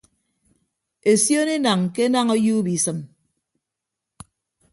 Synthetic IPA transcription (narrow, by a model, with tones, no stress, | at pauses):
e˨sjo˦ne˦na˨ŋke˦na˦ŋo˦juː˦bi˨sɨ˨m